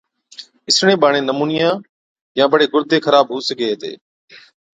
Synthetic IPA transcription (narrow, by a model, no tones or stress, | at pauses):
ɪsɳẽːɓaːɳ̃ẽːnəmuːnɪjãː | jãːɓəɽeːɡʊɾd̪ʱeːkʰəɾaːbɦuːsəɡeːɦt̪ḛː